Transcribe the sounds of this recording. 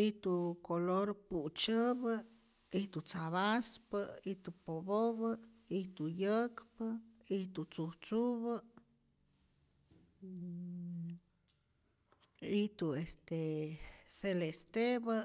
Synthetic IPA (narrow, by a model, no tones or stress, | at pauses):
it̪ukoloɾput͡ʃəβə | it̪ut͡saβaspəit̪upoboβə | it̪ujəkpəit̪ut͡sut͡suβə | it̪uest̪e | selest̪ebə